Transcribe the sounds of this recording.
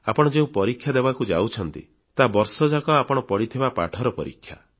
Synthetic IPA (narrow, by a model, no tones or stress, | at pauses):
a̰pɔɽɔd͡ʒeũpɔɾikʰːjad̪ebakud͡ʒa̰wt͡ʃʰɔnt̪ḭ | t̪abɔɾsɔd͡ʒakɔapɔɽ̃ɔpɔɽit̪ʰibapa̰ʈʰɔɾɔpɔɾḭkʰːja̰